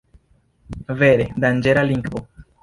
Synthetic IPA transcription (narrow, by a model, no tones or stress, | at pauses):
veɾed̪and͡ʒeɾaliŋɡvo